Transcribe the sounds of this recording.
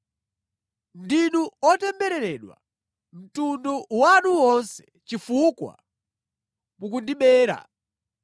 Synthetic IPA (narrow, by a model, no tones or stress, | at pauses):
ndinuɔtɛmbɛɾɛɾɛɗwa̰ | m̩tundɔwanuwɔnsɛ̥ | t͡ʃifukwa̰ | muk̬undiɓɛːɾa̰